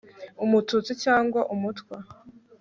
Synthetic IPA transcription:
umutut͡sicaːŋɡwaʔumutkwa

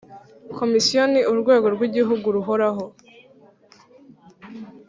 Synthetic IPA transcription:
kʰo̞misijo̞niuɾɡwe̞ːɡo̞ɾɡwiɟiɦuɡuɾuɦo̞ɾaɦo

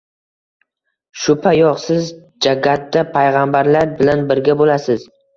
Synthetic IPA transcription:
ʃʊpʰajɒqsɪz | d͡ʒaɡʲat̪ːapʰajʁambaɾlaɾbɪlanbɪɾɡʲabolasɪz

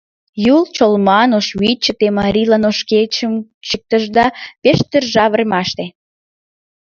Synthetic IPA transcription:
jult͡ɕolmɑnoʃβit͡ɕːət̪emɑɾʲilɑnoʃket͡ɕəmt͡ʃək̚t̪əʒd̪ɑpeʃt̪erʒɑβərmɑʃt̪e

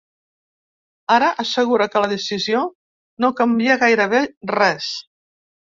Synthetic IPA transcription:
aɾəʔəsəɣuɾəkələðesizio | nokəmbiəɣajɾəβ̞erɛs

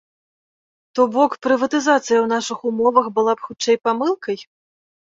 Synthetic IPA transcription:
t̪ɔbɔkpɾɨvɐt̪ɨzat̪sɨjɐwnaʂɨxumɔvɐxbɨlˠapxut͡ʂɛjpamɨlˠkɐj

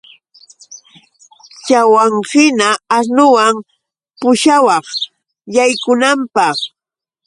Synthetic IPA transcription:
t͡ʃawaŋhɪnaːɾnʊwam | pʊʃawɑχ | jajkʊnampɑχ

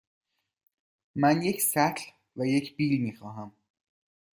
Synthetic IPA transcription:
mænje̞cʰsæt̪ʰl | væjecʰbiːlmiːxɒːɦæm

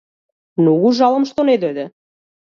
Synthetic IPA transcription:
nuɣuʒɑlɤ̆mʃt̪oned̪ød̪ə̆

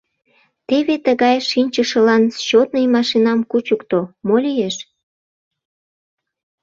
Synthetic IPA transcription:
t̪eβet̪əɣɑjʃinʲt͡ɕəʃə̆lɑnt͡ɕot̪nəjmɑʃinɑmkut͡ɕukt̪omolʲijeʃ

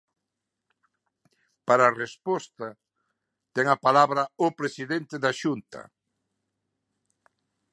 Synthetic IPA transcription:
paɾaːrespɔst̪ɐ | t̪ɛŋɐpalaβɾɐopɾesiðent̪eðaʃunt̪ɐ̰

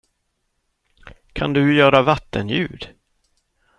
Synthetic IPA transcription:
kʰand̪ɵjœːɾavat̪ːənjʉ̟ːd̪̥

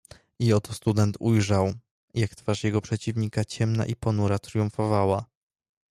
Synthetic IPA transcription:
iɔt̪ɔst̪ud̪ɛnt̪ʰujʐaw | jakt̪faʂjɛɡɔpʂɛt͡ɕivɲikat͡ɕɛmna̰ʔipɔnuɾat̪ɾjuɱfɔvawa

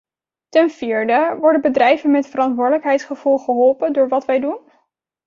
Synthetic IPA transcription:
tɛnv̥iːɹdəʋɔɹdəbədrɛjvənmɛtfərɑntʋʊːɹdələkɦɛjtsχəv̥ulˠχəɦɔlˠpəndʊːɹʋɑtʋɛjdun

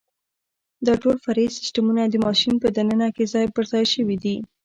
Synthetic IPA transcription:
d̪ɑʈolfaɾisɪ̥sʈamunad̪əmɑʃinpəd̪anənakezɑjbəɾzɑjʃəwid̪i

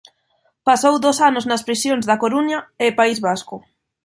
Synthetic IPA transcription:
pasowd̪osanʊznɐspɾisjoŋzðɐkoɾuɲɐepaizβaskʊ

